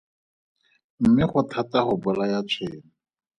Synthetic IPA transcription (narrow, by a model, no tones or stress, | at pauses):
m̩mɪχʊtʰataχʊbʊlajat͡sʰweːŋ̩